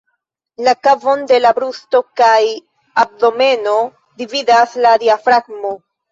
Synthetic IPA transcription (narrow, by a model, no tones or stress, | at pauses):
lakavo̞nde̞labɾusto̞kaj | ab̚do̞me̞no̞ | dividasladiafɾaɡ̚mo̞